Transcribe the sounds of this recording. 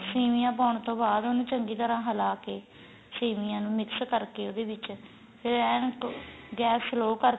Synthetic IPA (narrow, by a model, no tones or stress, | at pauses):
siːmɪjãːp̬aːʊɳt̪õːbaːd̪onũːt͡ʃəŋɡiːt̪əɾãːɦəlaːkeː | siːmɪjãːnũːmɪkskəɾkeːoːd̪eːʋɪt͡ʃ | eɛ̃ːkɡɛːpʰsloːkəɾ